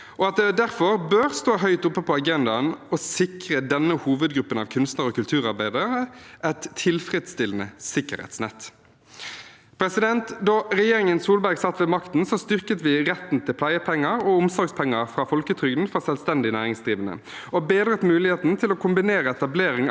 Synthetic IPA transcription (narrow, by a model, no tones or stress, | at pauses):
ʔɔɑt̪̚d̪ɛd̪æʁfɔʁbøːʁst̪oːɦœʏt̪ʊpːəpʰɔɑɡɛnd̪ɑnɔsɪkʁəd̪ɛnːəhuːʋəd̪ɡɾʉpːənɑ̰ʋkʰʉnst̪nəɾɔkʉlt̪ʰʉːʁɑʁbæɪd̪əəəʔæt̪ʰːɪlfʁɛd̪st̪ɪlən̩əsɪkːəɾhɛ̰t̪snɛ̰t̪ː | pʰɾɛsɪd̪ɛnt̪d̪ɑʁɛjeːʁɪŋənsuːlbæɾɡsɑt̪ːʋɛmɑkt̪n̩sɔst̪ʏʁkət̪ʋɪʁɛt̪n̩t̪ʰɪlpʰlæɪəpʰɛŋːəɾɔʊmsɔɾɡspʰɛŋːəɾfʁɑːfɔlkət̪ʰʁʏɡd̪n̩fɔsɛlst̪ɛnd̪ɪnæːʁɪŋsd̪ʁiːʋənə̰ | ɔbeːd̪ʁət̪mʉːlɪheːt̪n̩t̪ʰɪlɔkʰʊmbɪneːɾəɛt̪ɑbleːɾɪŋ